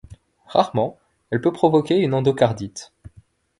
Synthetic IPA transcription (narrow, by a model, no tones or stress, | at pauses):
ʁaʁmɑ̃ | ɛlpøpχɔvɔkʲeynɑ̃d̪okaʁd̪it̪